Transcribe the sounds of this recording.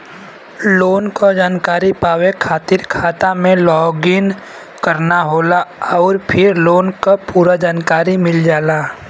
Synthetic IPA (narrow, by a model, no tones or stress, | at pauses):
loːnkod͡ʒaːnkaːɾipaːwekʰaːt̪ɪɾkʰaːt̪amẽlɔːɡɪn | kəɾnaɦoːlaɔːɾpʰɪɾloːnkopuːɾad͡ʒaːnkaːɾimɪld͡ʒaːlaː